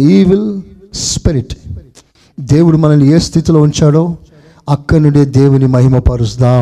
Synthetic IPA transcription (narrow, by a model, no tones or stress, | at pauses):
iːʋilspiɾiʈ | d̪e̞ːwuɽumɐnɐlueːst̪ʰit̪ilo̞ːuɲt͡ʃaːɽo̞ː | ɐkːɐnuɽeːd̪e̞ːwunimɐɦimɐpɐɾusd̪aː